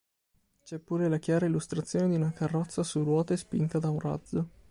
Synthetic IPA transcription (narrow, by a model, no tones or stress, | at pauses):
t͡ʃɛpːuːɾelakjaːɾailːust̪ɾat̪sːjoːned̪iunakarːɔt̪sːasurwɔːt̪espint̪ad̪aunra̰d̪zːo